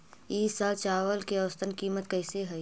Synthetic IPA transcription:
iːsaːlt͡ʃaːʋəlkiɐʋəst̪ənkiːmət̪̚kəɪseɦɛj

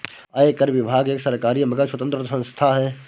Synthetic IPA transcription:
aekəɾʋɪbʱaːɡeːksɐɾkaːɾijmɐɡaswɐt̪ə̃nt̪ɾəsɐ̃nst̪ʰaɦɛː

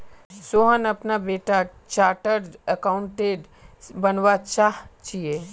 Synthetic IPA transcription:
soɦənɐpnabeːʈat͡ʃaːʈəɾəkaʊ̃ɳʈeːɖ | bɐnʋat͡ʃaɦt͡ʃije

